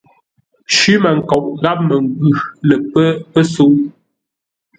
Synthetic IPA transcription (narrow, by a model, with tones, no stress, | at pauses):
ʃʉ˦mə˨ŋ̩˨kɔ˨ʔɣa˦p̚mə˨ŋ˨ɡʉ˨lə˨pə˦pə˦so˦